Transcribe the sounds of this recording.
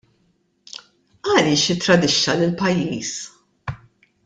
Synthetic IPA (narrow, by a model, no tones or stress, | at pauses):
ɐliːʃɪt̪ːɾɐd̪ɪʃːɐlɪlpɐjːiːs